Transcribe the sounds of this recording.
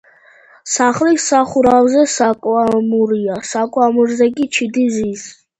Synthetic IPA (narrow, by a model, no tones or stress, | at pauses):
saχlisaχuɾavzɛsakʼwamuɾiasakʼwamuɾzɛkʼit͡ʃʰid̪izis